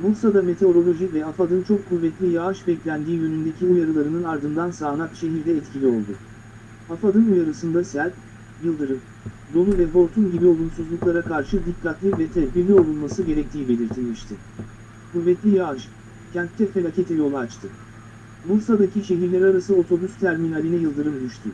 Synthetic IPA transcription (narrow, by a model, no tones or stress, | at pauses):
buɾsad̪ame̞t̪ʰe̞o̞ɾo̞lʲˠo̞ʒivɛafad̪ɯnt͡ʃʰo̞kʰːuvːɛt̪lʲijaaʃbɛclʲænd̪iːjønynd̪e̞cʰiujaɾɯlˠaɾɯnɯnaɾd̪ɯnd̪ansaːnakʃe̞ɦiɾd̪ɛːt̪cʰilʲio̞̰lˠd̪ʊ | afad̪ɯnujaɾɯsɯnd̪asæɾʲt̪ | jɯlˠd̪ɯɾɯ | d̪o̞lˠuvɛfo̞ɾt̪ʰumɟibio̞lˠunsuzlˠuklˠaɾakʰaɾʃɯd̪ikʰːat̪lʲivɛt̪ʰɛvbiɾlʲio̞lˠulˠmasɯɟe̞ɾɛc̚t̪ʰiːbe̞lʲiɾt̪ʰilʲmiʃt̪ʰɪ | kuvːɛt̪lʲijaaʃ | cʰænt̪t̪ʰːɛfelʲacet̪ʰɛjjo̞lˠaːt͡ʃt̪ʰɯ | buɾsad̪acʰiʃe̞ɦiɾlʲɛɾaɾasɯo̞t̪ʰo̞bust̪ʰæɾminalʲinɛjɯlˠd̪ɯɾɯmd̪yʃt̪ʰy